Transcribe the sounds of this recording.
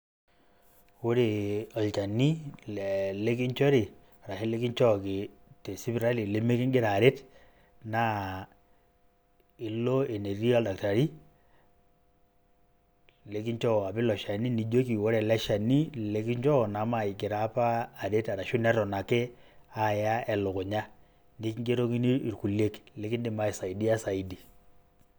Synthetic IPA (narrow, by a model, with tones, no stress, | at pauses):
wo˦ɾe˨ɔ˨lt͡ʃa˨ni˦˨ | le˦k̬i˦ɲt͡ʃɔ˦ɾi˨ | a˨ɾa˨he˦le˦ki˦ɲt͡ʃɔ˦˨ke˨ | te˨si˦bɾa˦li˨le˦me˦kɪ˦ŋɡɪ˦ɾaː˨ɾe˦t | na˦ | ɪ˨lːo˦e˨ne˨ri˦a˦lda˨k̚ta˨ɾi˦ | le˨˦ki˦ɲt͡ʃɔ˦˨a˨pi˦lɔ˨ʃa˨ni˦ni˨d͡ʒo˦ki˨wo˦ɾɛ˨lɛ˦ʃa˨ni˦le˦ki˦ɲd͡ʒɔ˦˨na˨˦ma˨i˨kɪ˨ɾa˦paː˦˨ɾe˦ta˨ɾa˨ʃu˦nɛ˦ɾɔ˨na˨ke˦a˨˦˨ja˦ɛ˨lʊ˨kʊ˨ɲa˦ | ni˦kŋɡe˦ɾo˦ki˦niː˦˨ɾku˨le˦kle˦ki˦ndi˦ma˦i˨sa˨i˨di˦a˦sa˨i˦di˨